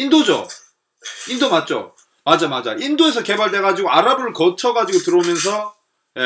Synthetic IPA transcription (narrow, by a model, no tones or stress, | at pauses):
indod͡ʑo̰ | indomat̚t͡ɕ͈o̰ | mad͡ʑamad͡ʑa̰ʔindoe̞sʰʌke̞baɭde̞ɡad͡ʑiɡoaɾabɯɭkʌt͡ɕʰʌɡad͡ʑiɡotɯɾʌmjʌns̬ʰʌ | e